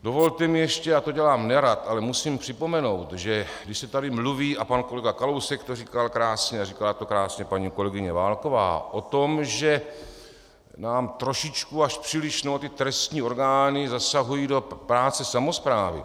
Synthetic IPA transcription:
do̞vo̞lt̪ɛmɪjɛʃcɛat̪o̞ɟɛlaːmnɛɾat̪ʔalɛmusiːmpr̥ɪpo̞mɛno̞wt̪ʒɛɡdɪʃsɛt̪adɪmluviːʔapanko̞lɛɡakalowsɛkt̪oriːkalkɾaːsɲɛariːkalat̪o̞kɾaːsɲɛpaɲiːko̞lɛɡɪɲɛvaːlko̞va̰ːʔo̞t̪omʒɛ | naːmt̪ɾoʃɪt͡ʃkuaʃpr̥iːlɪʃnoot̪ɪt̪ɾɛst̪ɲiːo̞ɾɡaːnɪzasaɦujiːdo̞pɾaːt͡sɛsamospɾaːvɪ̰

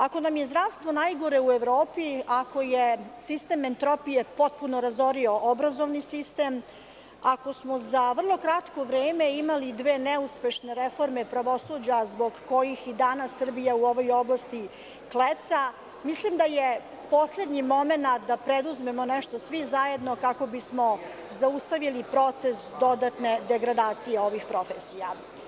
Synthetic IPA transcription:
ako̞namjezd̪ɾaːʋst̪ʋo̞najɡo̞ɾe̞ueʋɾoːpiako̞jesist̪ement̪ɾo̞pijepo̞t̪̚punoɾazo̞ɾio̞ʔobɾazo̞ʋnisist̪eːm | ako̞smo̞zaʋr̩lˠo̞kɾat̪ko̞ʋɾeːme̞imalid̪ʋeːnɛuspe̞ʃne̞ɾefo̞ɾme̞pɾaʋo̞sud͡ʑazbo̞ɡko̞jixid̪anasːr̩bijauo̞ʋo̞jo̞blˠast̪i | klet̪sa | mislimd̪aje | po̞sle̞d̪ɲimo̞me̞nat̪d̪apɾed̪uzme̞mo̞nɛʃt̪o̞sʋizaje̞d̪no̞kako̞bismo̞ | zaust̪aʋilipɾo̞t̪se̞sd̪o̞d̪at̪ne̞d̪e̞ɡɾad̪aːt̪sijeo̞ʋixpɾo̞fesija

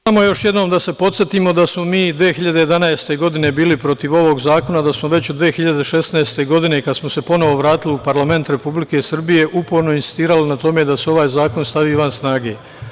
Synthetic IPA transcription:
amo̞jo̞ʃje̞d̪no̞md̪ase̞po̞t̪sʲje̞t̪iːmo̞d̪asmomiːd̪ʋijexiʎad̪e̞jed̪anaest̪e̞ɡo̞d̪ine̞biːlipɾo̞t̪iʋo̞ʋo̞ɡzaːko̞nad̪asmo̞ʋe̞t͡ɕod̪ʋijexiʎad̪e̞ʃe̞snaest̪e̞ɡo̞d̪ine̞kad̪smose̞po̞no̞ʋo̞ʋɾaːt̪iliupaɾlˠame̞nt̪ɾe̞publike̞sr̩bije̞ʔupoɾno̞insi̥st̪iːɾalinat̪o̞me̞d̪aseo̞ʋaːjzaːko̞nst̪aʋiːʋansnaːɡe̞ː

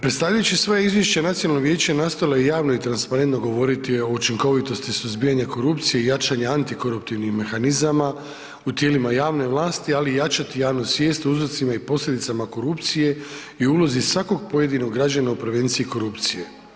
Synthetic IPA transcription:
pɾet̪st̪aʋʎajut͡ɕisʋo̞jaizʋje̞ʃt͡ɕenat̪sionalːnoɡʋjeːt͡ɕenast̪o̞jilajejaːʋno̞it̪ɾanspaɾe̞nt̪noɡo̞ʋo̞ɾit̪io̞ut͡ʃiŋko̞ʋit̪o̞st̪isuzbiːjaɲako̞ɾupt̪sije̞ijat͡ʃaɲaant̪iko̞ɾupt̪iʋnixme̞xanizama | ut̪je̞ːlimajaːʋne̞ʋlˠaːst̪ialijat͡ʃat̪ijaːʋnusʋje̞ːst̪uzɾot̪simaipo̞slʎʲed̪it̪samako̞ɾupt̪sije̞ | ioulo̞zisʋako̞ɡ̚po̞je̞d̪ino̞ɡːɾad͡ʑanaupɾeʋe̞nt̪siiko̞ɾupt̪sije̞

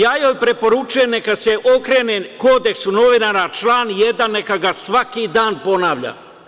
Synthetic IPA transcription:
jaːjoːjpɾe̞po̞ɾut͡ʃuje̞mnekaseʔokɾe̞ːneko̞ːd̪e̞ksuno̞ʋinaɾat͡ʃlaːnjed̪anːekaɡasʋakid̪aːnpo̞naːʋʎa̰

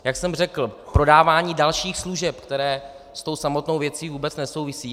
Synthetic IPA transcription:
jaksɛmrɛkl̩pɾo̞daːvaːɲiːdalʃiːxsluʒɛpkt̪ɛɾɛː | st̪o̞wsamo̞t̪nowvjɛt͡siːvuːbɛt͡snɛso̞wvɪsiː

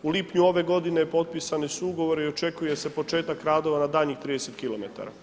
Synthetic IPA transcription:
uliːpɲuo̞ʋe̞ɡo̞d̪inepo̞t̪̚pisanisuuɡo̞ʋo̞ɾeio̞t͡ʃe̞kuje̞se̞po̞t͡ʃe̞ːt̪akːɾaːd̪o̞ʋanad̪aːʎɲixt̪ɾiːd̪eset̪kilo̞met̪a̰ɾa̰

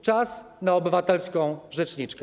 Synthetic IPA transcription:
t͡ʂas | naɔbɘvat̪ɛlskɔ̃w̃ʐɛt͡ʂɲit͡ʂkɛ

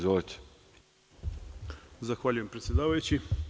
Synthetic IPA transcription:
zot̪ | zaxʋaːʎujempɾet̪ʲjed̪aːʋajut͡ɕi

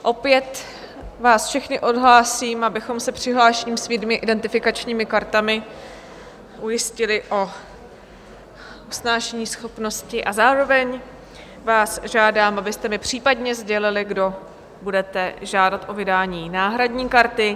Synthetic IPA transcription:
ʔo̞pjɛt̪ | vaːsfʃɛxnɪʔo̞dɦlaːsiːmabɪxo̞msɛpr̝̥ɪɦlaːʃɛɲimsvjidmɪʔɪdɛnt̪ɪfɪkat͡ʃɲiːmɪkaɾt̪amɪ | ʔujɪscɪlɪʔo̞ | usnaːʃɛɲiːsxo̞pno̞scɪʔazaːɾo̞vɛɲ | vaːsʒaːdaːmʔabɪst̪ɛmɪpr̝̥iːpadɲɛzɟɛlɪlɪɡdo̞ | budɛt̪ɛʒaːdat̪ʔo̞vɪdaːɲiːnaːɦɾadɲiːkaɾt̪ɪ

